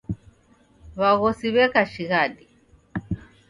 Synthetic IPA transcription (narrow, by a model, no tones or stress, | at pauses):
βaɣɔsiβɛkaʃiɣaɗi